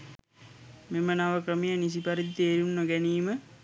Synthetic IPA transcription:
memənaʋəkrəmijənis̬ipɐɾit̪t̪eːɾunːoɡɛniːmə

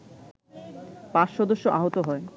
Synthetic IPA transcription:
paʃʃɔd̪oʃːoʔaɦot̪oɦɔe

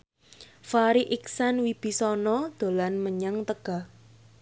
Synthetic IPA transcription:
faɾiʔiksanwib̥i̤sɔnɔd̪̥o̤lanməɲaŋt̪əɡ̥a̤h

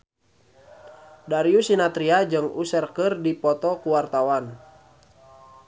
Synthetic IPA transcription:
daɾiusinat̪ɾiad͡ʒɨŋusɛrkərdipɔt̪ɔkuwart̪awan

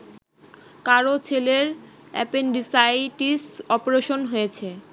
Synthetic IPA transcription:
kaɾot͡ɕʰeleɾ | ɛ̰penɖisajʈisɔpoɾeʃonɦojet͡ɕʰe

